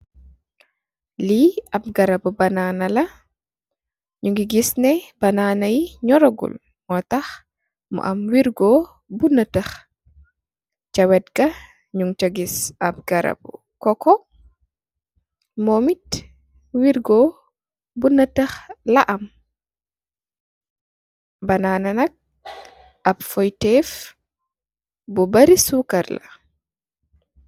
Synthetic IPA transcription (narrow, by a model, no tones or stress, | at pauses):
liɐp̚ɡɐɾɐbubɐnaːnɐlɐ | ɲuŋɡiɡisnɛbɐnanɐjiɲɔɾɔɡṵl | mɔtɐx | mɔ̰ʔɐmwiɾɡɔ | bunːɐtəx | cɐwɛt̚ɡɐ | ɲuŋt͡ʃɐɡisɐp̚ɡ̥ɐɾɐ̰bṵ | kɔkɔ | mɔmit | wiɾɡɔ | bunːataxlaʔam | banananak̚ | ʔabfɔjtɛf | bɔbaɾisukaɾla̰